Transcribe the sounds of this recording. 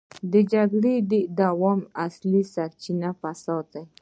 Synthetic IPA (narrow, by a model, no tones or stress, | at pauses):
d̪əd͡ʒaɡɽed̪ed̪awɔmaslisaɾt͡ʃinafasɑd̪̚d̪aj